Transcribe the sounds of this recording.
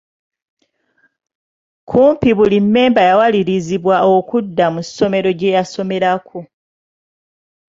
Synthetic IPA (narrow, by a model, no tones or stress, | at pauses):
kʰuːmpiβulimːe̞ːmbajawaliɾiziβwaokudːamusːo̞me̞ɾo̞ɟe̞jaso̞me̞ɾakʰo